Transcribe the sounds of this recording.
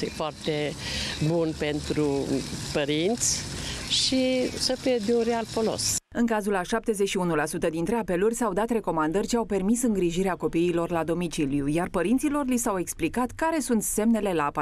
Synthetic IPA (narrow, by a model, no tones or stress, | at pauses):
ḭjfoart̪ebunpe̞nt̪ɾupəɾint̪sʲʃisəfied̪eunɾealfolo̰sɨŋkazulaʃap̚t̪e̞zeʃiunulasut̪əd̪int̪ɾeape̞lurʲsawd̪at̪re̞ko̞mand̪ərʲʃiawpe̞rmisɨŋɡɾiʒiɾeako̞piːlo̞rlad̪o̞mit͡ʃilijujarpəɾint̪silo̞rlisawe̞ksplikat̪kaɾe̞sunt̪se̞mnele̞laːp